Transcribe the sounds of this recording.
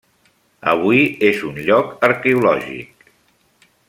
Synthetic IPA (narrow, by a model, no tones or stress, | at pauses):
ə̰β̞uiezunʎɔkəɾkɛulɔ̰ʒḭk̚